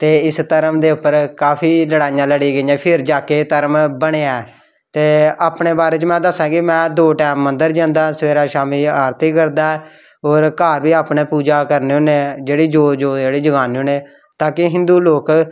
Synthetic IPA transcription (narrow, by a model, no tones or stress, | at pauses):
t̪eːɪst̪əɾəmd̪eːʊpːəɾkaːpʰiːləɽaːijãːləɽiːɡəiːjãːpʰɪɾd͡ʒaːkeːt̪əɾəmbəɽ̃eːaː | t̪eːaːpɳeːbaːɾeːt͡ʃmɛ̃ːd̪əsãːɡɪmɛ̃ːd̪oːʈɛːmːənd̪əɾd͡ʒãːnd̪aːsəʋeːɾaːʃaːmiːaːɾt̪ikəɾd̪aːɛ | oːɾkaːɾbiːaːpneːpuːd͡ʒaːkəɾneːõːneːd͡ʒeːɽiːd͡ʒoːd͡ʒoːd͡ʒeːɽiːd͡ʒəɡaːnːoːnẽː | t̪aːkɪɦɪ̃nd̪uːloːk